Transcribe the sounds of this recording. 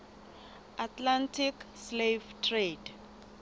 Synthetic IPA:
atʰlantʰikslevtʰred

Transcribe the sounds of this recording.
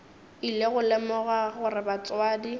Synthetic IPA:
ileɣʊlɛmɔɣaɣʊrɪbat͡sʼwaːdi

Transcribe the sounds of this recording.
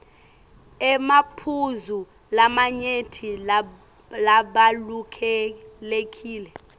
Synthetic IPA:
ɛmapʰuzu | lamaɲetʰi | laɓalukʰɛlek̬ʰʼiːlɛ

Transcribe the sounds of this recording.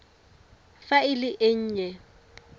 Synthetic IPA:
faɪlɪʔeɲ̩ːɲɛ

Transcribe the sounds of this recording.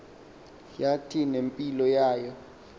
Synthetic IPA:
jatʰinempʼilɔjaːjɔ

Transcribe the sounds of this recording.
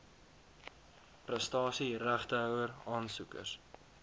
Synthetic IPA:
prəstɑːsiræχtəœwərɑːnsukə̰rs

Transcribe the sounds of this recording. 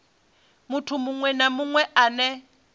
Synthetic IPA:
mutʰʊmʊŋwɛnamʊŋwɛʔanɛ

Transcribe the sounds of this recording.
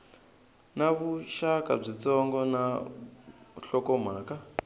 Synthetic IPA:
naβuʃakʼa̰b͡ʐit͡sɔŋɡɔna | ɬɔkɔm̤aːka

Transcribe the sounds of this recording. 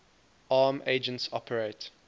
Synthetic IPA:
ʔɑːmʔeɪd͡ʒə̃ntsɔ̰pʰəɹeɪt

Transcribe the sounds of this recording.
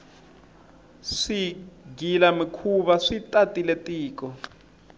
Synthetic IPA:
ʂiɡilamikʰuβaʂitʼatʼiletʼiːkɔ

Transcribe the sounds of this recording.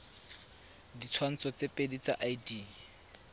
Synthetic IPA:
dit͡sʰwan̩t͡sʰɔt͡sepʼedit͡sa̰ʔajdi

